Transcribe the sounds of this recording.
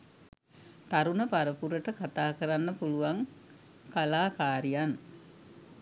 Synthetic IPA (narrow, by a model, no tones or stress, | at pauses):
t̪aɾunəpaɾəpuɾəʈəkat̪aːkəɾanːəpuluʋaŋ | kalaːkaːɾijan